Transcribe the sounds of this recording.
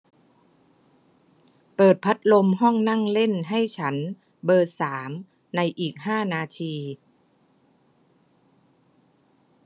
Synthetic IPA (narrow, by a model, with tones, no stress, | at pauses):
pɤː˨˩t̪̚pʰa˦˥t̪̚lo˧mɦɔ˥˩ŋna˥˩ŋle˥˩nɦa˥˩jt͡ɕʰa˦˥n | bɤː˧saː˩˦m | na˧jʔiː˨˩k̚ɦaː˥˩naː˧t̪ʰiː˧